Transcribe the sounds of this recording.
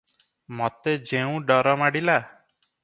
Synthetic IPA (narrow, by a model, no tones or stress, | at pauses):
mɔt̪ed͡ʒeũɖɔɾɔmaɽila